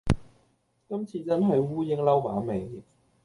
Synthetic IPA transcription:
kɐ˥mt͡sʰiː˧t͡sɐ˥nɦɐ˨jwuː˥jɪ˥ŋlɐ˥wmaː˨˥me˨˩ŋ

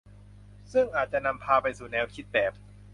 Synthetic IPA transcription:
sɯ˥˩ŋʔaː˨˩t̪̚t͡ɕa˨˩na˧mpʰaː˧pa˧jsuː˨˩nɛː˦˥wkʰi˦˥t̪̚bɛː˨˩p̚

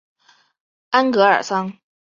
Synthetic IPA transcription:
a˥nkɤ˧˥ə̰˞˨˩sɑ˥ŋ

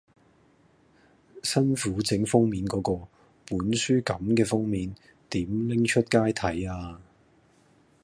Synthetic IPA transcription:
sɐ˥nfuː˨˥t͡sɪ˨˥ŋfʊ˥ŋmiː˨˥nkɔː˨˥kɔː˧ | puː˨˥nsyː˥kɐ˨˥mkɛː˧fʊ˥ŋmiː˨˥n | t̪iː˨˥mlɪ˥ŋt͡ʃʰɵ˥t̚kaː˥jt̪ʰɐ˨˥jaː˧

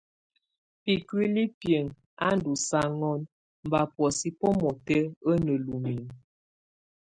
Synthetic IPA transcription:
pi˨kwi˦li˦pjə˨ŋ | a̰˦n˦du˨sa˦ŋɔ˦n | m̩˨ba˨pwɔ˨si˦pɔɔ˦mɔ˨tɛ˦ə˦nə˨lu˨mi˨ŋ

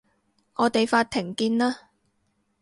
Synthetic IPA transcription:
ʔɔː˨˧t̪e˨jfaː˧t̚t̪ʰːɪ˨˩ŋkiː˧nlaː˥

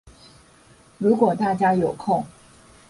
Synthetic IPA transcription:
ɻu˧˥kwɔ˨˩t̪a˥˩t͡ɕja˥jo˨˩ʊkʰo˥˩ŋ

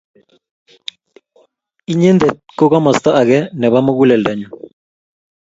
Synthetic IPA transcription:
i˦ɲe˦nd̪ɛ˨t̪̚ko˦ɣa˦mɔ˨st̪ɔ˦ʔa˨ɣɛ˦nɛ˨βa˦mo˦ɣu˦lɛ˨lda˨ɲɔ˨

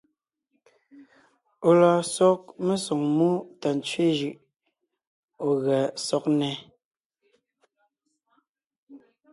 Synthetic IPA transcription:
o˨la˨sɔ˦k̚me˦sɔ˨ŋmu˦ta˨n˨t͡sɥe˦ʒɯ˨ʔ | o˨ɣɛ˨sɔ˦k̚nɛ˨˦

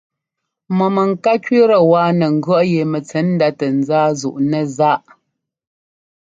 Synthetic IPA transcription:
mɔ˨mə˨ŋ̩˨ka˦kɥi˦ɾə˨waː˦nə˨ŋ̩˦˨ɡɥɔ˦ʔje˨mə˨t͡sɛ˨˦n̩˦da˦tə˨n̩˨zaː˦zṵ˨ʔnə˦˨za˦ʔ

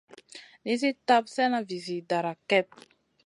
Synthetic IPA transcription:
ni˦zi˦t̪a˦psɛ˦na˨vi˨zi˨d̪a˨ɾa˨kɛ˦p̚

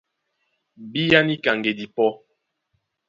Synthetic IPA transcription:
bi˦ja˦ni˦ka˨ŋɡe˨di˨pɔ˦

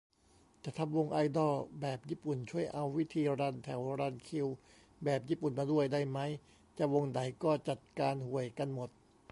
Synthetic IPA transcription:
t͡ɕa˨˩t̪ʰa˧mwo˧ŋʔa˧jdɔː˥˩bɛː˨˩p̚jiː˥˩pu˨˩nt͡ɕʰu˥˩əjʔa˧wːi˦˥t̪ʰiː˧ɾaː˧nt̪ʰɛ˩˦wɾa˧nkʰi˧w | bɛː˨˩p̚jiː˥˩pu˨˩nmaː˧du˥˩əjda˥˩jma˦˥j | t͡ɕa˨˩wo˧ŋda˩˦jkɔː˥˩t͡ɕa˨˩t̪̚kaː˧nhu˨˩əjka˧nmo˨˩t̪̚

